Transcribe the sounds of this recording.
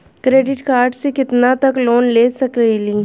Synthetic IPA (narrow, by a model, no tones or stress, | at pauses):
kɾeːɖɪʈkaːɾɖsekɪt̪nat̪ɐkloːnleːsɐkelĩː